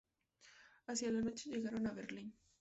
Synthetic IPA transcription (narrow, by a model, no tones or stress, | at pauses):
asjalano̞t͡ʃe̞ʝe̞ɣaɾo̞naβe̞ɾlin